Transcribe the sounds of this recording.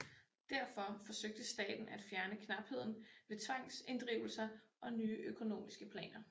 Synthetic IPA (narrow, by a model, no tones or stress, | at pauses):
d̥æɐfɒ̽fɒ̽søɡ̥̚d̥əsd̥ɛ̰ːd̥n̩ʔæd̥fjæɐnəkʰnɑ̈b̥he̝ð̞̰ˠn̩ʋe̝t͡sʰʋɑ̈ŋ̰se̝nd̥ʁiʊl̩sɐʔɒ̽nyːʔøkʰo̝no̝̰ːmisɡ̥əpʰlɛ̰ːnɐ